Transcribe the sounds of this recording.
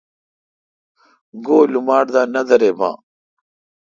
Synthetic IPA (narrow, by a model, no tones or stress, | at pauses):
ɡoːlumaːɽd̪aːnɐd̪ɐɾeːbã̰ː